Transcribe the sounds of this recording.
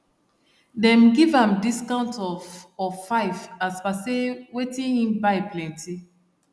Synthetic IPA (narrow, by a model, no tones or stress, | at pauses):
dɛ̃mɡivãmdiskãʊ̃ntɔvɔffaɪvaspasewetĩnĩmbaɪplɛ̃ntʰi